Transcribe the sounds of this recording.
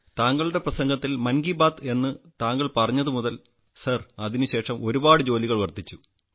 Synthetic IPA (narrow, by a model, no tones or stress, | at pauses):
t̪aːŋɡɐɭuɽe̞prɐsɐŋɡɐt̪ːilmɐnɡibaːt̪e̞nːɨt̪aːŋɡɐɭpɐrɐɲːɐðɨmuðɐl | sɐrɐðinɨɕe̞ːʂɐmʔo̞ɾubaːɽɨd͡ʑo̞ːliɣɐɭʋɐrt̪it͡ɕːu